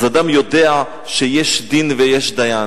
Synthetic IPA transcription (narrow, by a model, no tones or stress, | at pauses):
zad̪amjod̪ea | ʃejeʃd̪invejeʃd̪aja